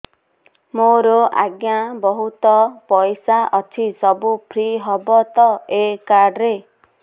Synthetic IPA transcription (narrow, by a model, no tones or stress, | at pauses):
moɾɔʔa̰ɡjabɔɦut̪ɔpɔjsaʔɔtʰisɔbupʰɾiɦɔbɔt̪ɔekaɾɖɾe